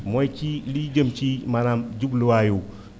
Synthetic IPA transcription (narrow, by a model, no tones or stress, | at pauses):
mɔjt͡ʃilid͡ʒəmt͡ʃimanamd͡ʒubluwaju